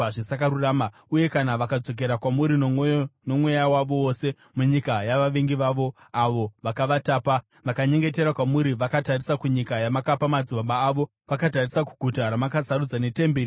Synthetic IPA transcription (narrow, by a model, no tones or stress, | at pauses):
ʐesakaɾuraːma | uje̞kanaʋakad͡zo̞k̬e̞ɾakwamuɾino̞mwe̞jawaʋo̞ose̞ | muɲikajaʋaʋeŋɡiʋaʋo̞ | aʋo̞ʋakaʋataːpa | ʋakaɲe̞ŋɡe̞te̞ɾakwamuɾiʋakatarisakuɲikajamakapamad͡zuʋaɓaːʋo̞ | ʋakatarisaku̥ɡʱutaɾamakasaɾud͡zane̞tembeːɾi